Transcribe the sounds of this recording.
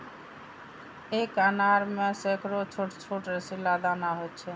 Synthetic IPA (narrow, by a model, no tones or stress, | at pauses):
ekanaɾmesekɾot͡ɕʰoʈt͡ʃʰoʈɾesilad̪anaɦot͡ɕʰe